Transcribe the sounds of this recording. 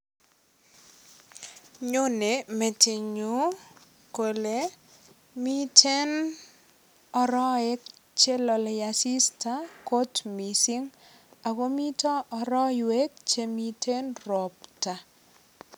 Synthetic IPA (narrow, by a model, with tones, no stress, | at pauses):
ɲo˦ne˨˦me˨tɪ˨ɲu˨˦ | ko˨le˨˦ | mi˦tʰe˦n | ɔ˨ɾɔ˦ɛ˦k̚t͡ʃe˦lɔ˨lɛ˨ja˨si˦sta˦ko˦tmi˨si˦ŋ | a˨ɡo˦mi˦tɔ˦ɔ˨ɾɔ˦ɪwe˦k̚t͡ʃe˦mi˦te˦nɾɔ˨pta˨